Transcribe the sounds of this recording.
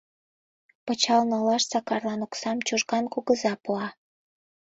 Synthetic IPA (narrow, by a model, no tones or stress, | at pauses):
pə̆t͡ɕɑlnɑlɑʃsɑkɑrlɑnuksɑmt͡ɕuʒɣɑnkuɣəzɑpuɑ